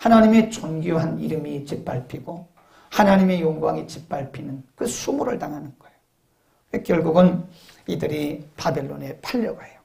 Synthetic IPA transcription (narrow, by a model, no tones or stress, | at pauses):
hanaɲime̞t͡ɕonɡjoɦaniɾɯmit͡ɕip͈̚aɭpʰiɡo | hanaɲime̞joŋɡuwaŋit͡ɕip̚p͈aɭpʰinɯnkɯsʰumuɾɯ̰ɭtaŋɦanɯnɡ̥ʌejo | wekjʌɭɡuɡɯnidɯɾipabe̞ɭːo̰ne̞pʰaʎːʌɡaejo